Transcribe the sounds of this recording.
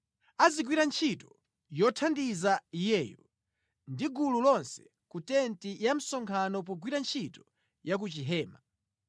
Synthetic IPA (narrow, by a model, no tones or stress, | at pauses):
aziɡwiɾant͡ʃʰitɔ | jɔtʰandizaijɛːjɔ̰ | ndiɡululɔnsɛ̥ | kutɛntijam̩sɔŋkʰanɔp̬ɔɡwiɾant͡ʃʰitɔ̥ | jak̬ut͡ʃiɦɛːma